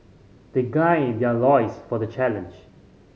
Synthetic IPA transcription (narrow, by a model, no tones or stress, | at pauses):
d̪̥eɡãjdɛlɔɪsfɔdət͡ʃælə̃nd͡ʒ